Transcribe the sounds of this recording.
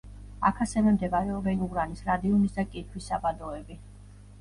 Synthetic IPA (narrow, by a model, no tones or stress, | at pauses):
akʰasɛvɛmd̪ɛvaɾɛɔbɛnuɡɾanisɾad̪iɔnisd̪akʼit̪ʰwisːabad̪ɔɛbi